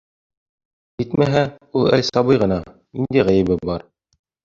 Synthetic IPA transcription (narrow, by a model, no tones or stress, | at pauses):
jit̪mæɦæ | ulˠælsɑbɤjʁɤ̆nɑ | nind̪æjʁæjɘ̆bɘbɑɾ